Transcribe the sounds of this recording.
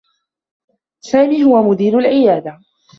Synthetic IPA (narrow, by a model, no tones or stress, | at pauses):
saːmiːɦʊwamʊd̪iːɾʊlʕɪjaːd̪a